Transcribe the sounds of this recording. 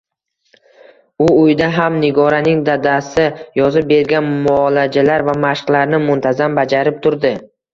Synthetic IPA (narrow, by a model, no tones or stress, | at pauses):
ʊʊjd̪aɦamnɪɡɒɾanɪŋd̪ad̪asɪjɒzɪp̚be̞ɾɡʲanmʊɒlad͡ʒalaɾvamaʃqlˠaɾnɪmʊnt̪ʰazambad͡ʒaɾɪp̚t̪ʰʊɾd̪ɪ